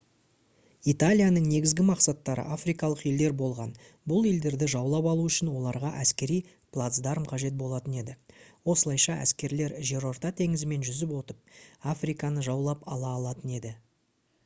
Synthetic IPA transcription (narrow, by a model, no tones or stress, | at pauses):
it̪alʲijanəɴne̞ɡʲɪzɡʲɪmɑqsɑt̪ːɑɾə̰ʔafrijkɑlˠəqje̞ld̪e̞ɾbo̞lˠʁɑn | bʊlˠe̞ld̪e̞ɾd̪ɪʒɑwlˠɑpɑlˠuʏʃɪnwo̞lˠɑɾʁɑʔæskʲe̞ɾij | plˠat̪sd̪ɑɾmqʰɑʒe̞t̪̚bo̞lˠɑt̪əne̞d̪ɪwo̞səlˠɑjʃɑʔæ̰skʲe̞ɾle̞ɾʒe̞ɾo̞rt̪ɑt̪ʰe̞ŋɪzɪme̞nʒʏzɪpwo̞t̪əp̚afrijkɑnəʒɑwlˠɑpɑlˠɑːlˠɑt̪əne̞d̪ɪ